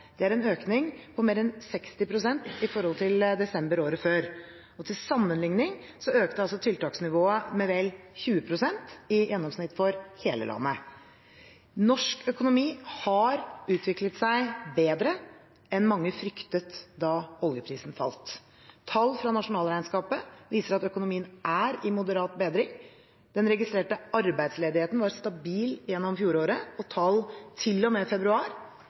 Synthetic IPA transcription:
d̪̥ɛæɾɛnøːknɪŋpʰɔmeːɾɛnsɛkst̪ɪpʰɾʊsɛnt̪ɪfɔɾhɔlt̪ʰɪld̪ɛsɛmbəɾoːɾəføːɾ | ɔt̪ʰɪlsɑmːənlɪŋnɪŋsɔøːkt̪əɑlsɔt̪ʰɪlt̪ɑːksnɪʋoːəmɛʋɛlçʉːəpʰɾʊsɛnt̪ɪjɛnːɔmsnɪt̪ːfɔɾheːlə̰lʔɑ̰nːə | nɔʂkœkʊnʊmiːhɑɾʉːt̪ʰʋɪklət̪sæɪbeːd̪ɾə | ɛnmɑŋːəfɾʏkt̪ət̪d̪ɑʋɔljəpʰɾiːsnfɑ̰lt̪ʰː | ɑlfɾɑnɑʂʊnɑːlɾæɪnskɑːpəʋiːsəɾɑt̪œkʊnʊmiːənʔæɾɪmʊd̪əɾɑːt̪beːd̪ɾɪŋ | d̪̥ɛnɾɛɡɪst̪ɾeːʈəɑɾbæɪd̪sleːd̪ɪheːt̪n̩ʋɑɾst̪ɑbiːljɛnːɔmfjuːɾoːɾəɔt̪ʰɑːlt̪ʰɪlːɔmeːfɛbɾʉɑːɾ

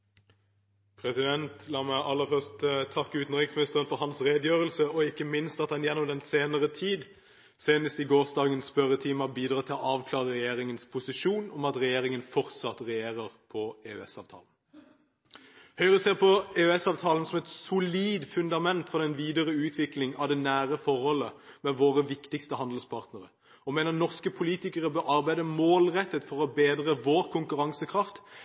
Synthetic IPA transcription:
pʰʁɛsɪd̪ɛnt̪ʰlɑːmæɪʔɑlːəfœʁst̪t̪ʰɑkːəʉːt̪n̩ʁɪksmɪnɪst̪əʁənfɔɾhɑnsʁeːd̪jøːʁəlsəɔɪkːəmɪnst̪ɑt̪hɑnjɛnːɔmd̪ɛnseːnəʁət̪ʰiːd̪ | seːnəst̪ɪɡoːʁsd̪ɑːɡənspœʁət̪ʰiːmɑbiːd̪ʁɑːt̪ʰɪlɔɑːʋkʰlɑːʁəʁɛjeːʁɪŋənspʰʊsɪʃuːnɔmɑt̪ʁɛjeːʁɪŋənfɔʁt̪sɑt̪ʁɛjeːʁəʁpʰɔeːʉ̰ɛ̰sɑːʋt̪ʰɑ̰ːln̩ | hœʏəʁʉseːʁpɔeʉɛsɑːʋt̪ʰɑːlən̩sɔmɛt̪sʊliːd̪fʉnd̪ɑmɛnt̪fɔʁd̪ɛnʋiːd̪əʁəʉːt̪ʰʋɪklɪŋɑ̰ʋd̪ɛnæːʁəfɔɾhɔlːəmɛʋoːʁəʋɪkt̪ɪkst̪əhɑnd̪l̩spʰɑʁt̪nəʁə | ɔmeːnəʁnɔʁskəpʰʊliːt̪ɪkəʁəbœɾɑʁbæɪd̪əmoːlʁɛt̪ːət̪fɔʁɔbeːd̪ʁəʋoːɾkʰʊŋkʉɾɑŋsəkʰʁɑft̪

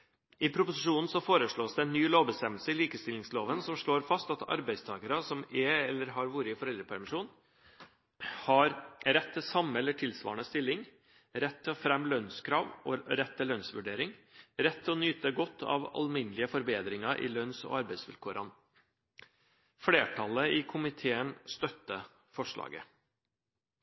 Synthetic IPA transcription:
ɪpʰɾʊpʊsɪʂuːnn̩sɔfoːɾəʂɭoːsd̪ɛɛnːyːloːʋbəst̪ɛməlsəɪliːkəst̪ɪlɪŋsloːʋənsɔmʂɭoːɾfɑst̪ɑt̪ʰɑ̰ɾbæɪst̪ʰɑːɡəɾəsɔmɛɛlːəɾɦɑɾʋuːɾɪɪfɔɾɛld̪ɾəpʰæɾmɪʂuːn | hɑɾɾɛt̪ʰːɪsɑməɛlːəʈʰɪlsʋɑ̰ːɳəst̪ɪlːɪŋ | ɾɛt̪ʰːɔfɾɛmːlœnskʰɾɑːʋoɾɛt̪ʰːɪlœnsʋʉɖeːɾɪŋɾɛt̪ʰːɔnyːt̪əɡɔt̪ʰːɑ̰ːʋɑ̰lmɪnəlɪəfɔɾbeːd̪ɾɪŋɑʔɪ̰lœnsɔ̰ɑɾbæɪsʋɪ̰lkʰuːɾɑn | fɽeːʈʰɑləɪkʰʊmɪt̪ʰeːənst̪œt̪ːə | fɔʂɭɑ̰ːɡə̰

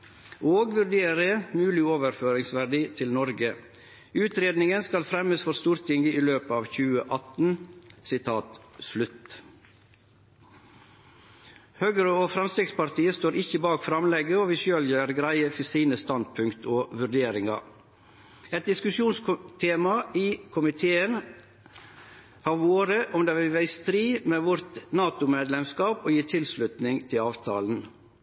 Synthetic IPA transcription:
ʔoːɡʋʉɾɖeːɾəmʉːlɪoːʋəɾføːɾɪŋsʋæɖiːt̪ʰɪlnɔɾɡə | ʉːt̪ɾeːd̪nɪŋənskɑlfɾɛməsfɔɾst̪uːɾt̪ʰɪŋɡəiːløːpəɑːʋçʉːəʔɑt̪n̩sɪt̪ʰɑːt̪slʉt̪ | høːɡəɾəoːfɾɑmst̪ɾɪkspɑɾt̪ʰiːəst̪oːɾɪçːəbɑːkfɾɑmlɛɡəɔʋɪʃøːljøːɾɡɾæɪəfsiːnəst̪ɑnd̪̚pʰʉŋkt̪ʰoːʋʉɖeːɾɪŋɑ̰ | ɛt̪̚d̪ɪskʉʃjuːnst̪ʰeːmɑiːkʰʊmɪt̪ʰeːən | hɑɾʋoːɾəʔɔmd̪eʋɪʋæɪst̪ɾiːmeːʋʊɾt̪nɑːt̪ʊmeːd̪lɛmskɑːpoːjiːʈʰɪlslʉt̪nɪŋt̪ʰɪlɑːʋt̪ʰɑ̰ːln̩

